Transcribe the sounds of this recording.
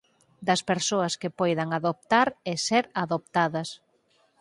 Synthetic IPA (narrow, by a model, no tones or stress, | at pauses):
d̪ɐspeɾsoɐskɪpojðɐŋaðop̚t̪aɾɪseɾaðop̚t̪aðɐs